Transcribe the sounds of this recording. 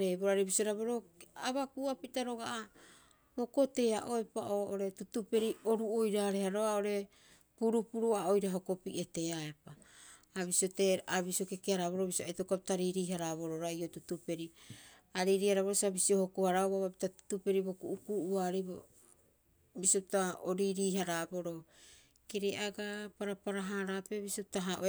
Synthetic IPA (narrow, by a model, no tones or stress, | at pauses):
ɾeboɾaɾebisiaɾaβoɾo̞aβakuapitaɾo̞ɡaʔa | boko̞te̞aʔoe̞paʔoʔoɾe̞tutupe̞ɾio̞ɾuojɾaɾe̞haɾo̞ao̞ɾe̞ | puɾupuɾuaojɾaɦoko̞piʔete̞ae̞paː | βisioteaβisiokekeaɾaβoɾo̞bisiaitokapitaɾiɾiːɦaɾaβo̞ɾo̞ɾaiotutupe̞ɾi | aɾiɾiːhaɾaβoɾosabisio̞hokohaɾauaβapitatu̥tupe̞ɾibo̞kuʔukuʔuaɾebo | bisiopitaoɾiɾiːɦaɾabo̞ɾo̞ | keɾeʔaɡapaɾapaɾaɦaɾape̞bisiopitaɦaʔo